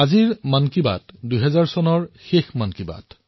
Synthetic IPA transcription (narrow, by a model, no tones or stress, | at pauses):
aziɹmankiba̰tdujɦɛzaɹsɔnɔɹxexmankiba̰t